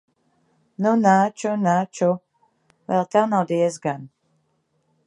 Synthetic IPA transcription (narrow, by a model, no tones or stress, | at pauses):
nunat͡ʃunat͡ʃu | vɛ̰lˠt̪awnawd̪iɛzɡan